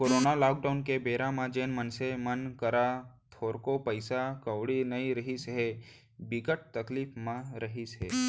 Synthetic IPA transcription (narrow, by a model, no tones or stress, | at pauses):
koːɾoːnalaːk̚ɖaʊnkebeːɾãmãd͡ʒeːnmənsemənkəɾat̪ʰoːɾkopəɪsakɐʋɽinɐĩɾəɦisɦe | bɪkəʈ̚t̪ɐkliːfmãɾəɦiseː